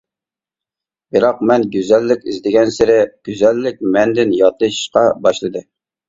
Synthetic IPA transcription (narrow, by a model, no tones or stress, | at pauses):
bɨɾɑq̚mɛnɡʲyzɛlːɪkʲɪzd̪ɪɡʲɛnsɪɾɪɡ̥ʲyzɛlːɪk̚ʲmɛnd̪ɪnjɑt̪ɨʃʃqɑbɑʃlˠɨd̪ɨ